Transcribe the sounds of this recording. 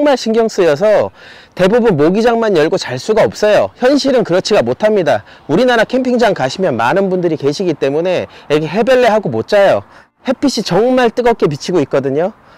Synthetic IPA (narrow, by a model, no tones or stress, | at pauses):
ʌŋmaɭɕʰiŋɡjʌŋs͈ɯjʌs̬ʰʌte̞bubunmoɡid͡ʑaŋmanjʌɭɡot͡ɕaɭs͈uɡaʌp̚s͈ʌjoçjʌnɕʰiɾɯnkɯɾʌt͡ɕʰiɡamotʰamɲida | uɾinaɾakʰe̞mpʰiŋd͡ʑaŋkaɕʰimjʌnmanɯnbundɯɾike̞ɕʰiɡit͈e̞mune̞iɾʌkʰeɦe̞be̞ɭːeɦaɡomot̚t͡ɕ͈ajo | he̞pʰiɕ͈ʰit͡ɕʌŋmaɭt͈ɯɡʌk͈e̞p̬it͡ɕʰiɡoit̚k͈ʌdɯɲo